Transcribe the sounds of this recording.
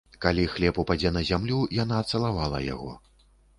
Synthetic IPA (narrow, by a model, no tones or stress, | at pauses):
kalʲixlʲɛpupad͡zʲɛnɐzʲamlʲujanaːt̪sɐlˠavalˠɐ̰ja̰ɣɔ̰